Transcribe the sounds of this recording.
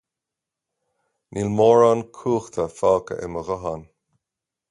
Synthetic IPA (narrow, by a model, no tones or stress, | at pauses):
nʔilmɔːɹankʰuːxt̪ʰəfaːkə̰ʔɪ̰məɣɔɦan